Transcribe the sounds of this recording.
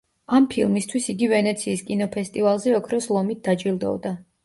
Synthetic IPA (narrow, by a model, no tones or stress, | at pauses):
ampʰilˠmist̪ʰwisiɡivɛnɛt̪sʰiːskʼinɔpʰɛst̪ʼivalˠzɛɔkʰɾɔslˠɔmit̪̚d̪̥at͡ʃʼilˠd̪ɔ̰d̪a